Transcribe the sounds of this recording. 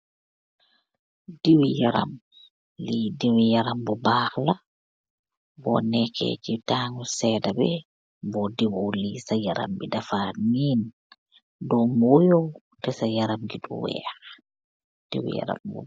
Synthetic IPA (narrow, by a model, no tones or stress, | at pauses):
diwijaɾa̰m | lidiwijaɾambɔbaːhla | bɔ̰nɛkʰɛ̰d͡ʒitaːŋusɛːdabɛ | bɔdiwowlisajaɾa̰mbidafanin | dɔmwɔjɔw | tɛsajaɾamɡiɗṵwɛ̰ːx | d̥ḭwḭja̰ɾa̰mbɔ̰